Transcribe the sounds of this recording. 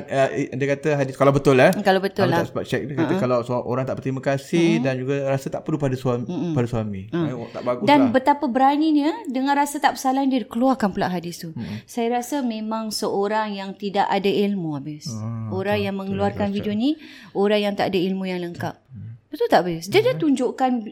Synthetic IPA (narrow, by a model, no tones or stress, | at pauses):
ədiəkat̪əɦadɪskalawbət̪ʊlahkalawbət̪ʊlt̪aʔsə̥bap̚t͡ʃɛk̚dkaəkalasʔo̰ɾaŋt̪aʔpərt̪ɾimakasɪhdand͡ʒuɡaɾasat̪aʔpərlupadasuapadasuamiət̪a̰ʔbaɡudanbət̪apəbəɾaninədəŋãnrasat̪aʔbəsalandiədikəluarkanpəlaʔɦadist̪usajaɾasamẽmãŋsəʔoɾaŋjaŋt̪idaʔadailmuabɪsoɾaŋjaŋmə̃ŋəluarkanvidioni | oɾaŋjaŋt̪a̰ʔadailmũjaŋləŋkap̚bət̪ult̪aʔbsdiadiat̪uɲd͡ʒoʔkan